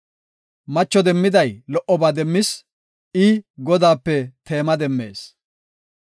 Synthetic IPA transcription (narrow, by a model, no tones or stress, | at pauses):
mɐt͡ʃːɔd̪ɛmːɪd̪ɐjlɔʔɔbaːd̪ɛmːɪs | ɪɡɔd̪aːpːɛt̪e̞ːmɐd̪ɛmːe̞̰ːs